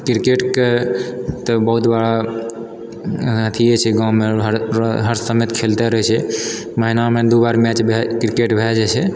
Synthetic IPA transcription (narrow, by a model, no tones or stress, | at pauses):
kiɾkeʈke | t̪əbəɦut̪baɽa | ət̪ʰiɛt͡ʃʰɛɡãwmeɦɾɦəɾsəmet̪kʰelt̪ɛɾəɦɛt͡ʃʰɛ | məɦinamed̪ubaɾmɛt͡ʃbʱɛkɾkeʈbʱɛd͡ʒɛt͡ʃʰɛ